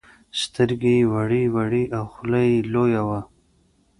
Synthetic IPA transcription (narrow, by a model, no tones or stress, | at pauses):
st̪əɾɡewaɽiwaɽiʔawxʊlajilojawa